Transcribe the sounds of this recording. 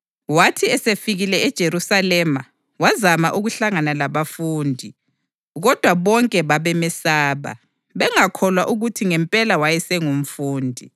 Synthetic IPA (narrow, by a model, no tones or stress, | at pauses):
watʰiɛsefiɣilɛɛd̥ʒ̥ʱeɾusalɛma | wazamaʔuɣuɬaŋanalaβafuːndʱi | ɣɔd̥ʱwaβɔŋkʼɛβaβɛmɛsaːβa̰ | βɛŋakʰɔlwaʔuɣutʰiŋɛmpʼɛlawajɛsɛŋum̩fuːndʱi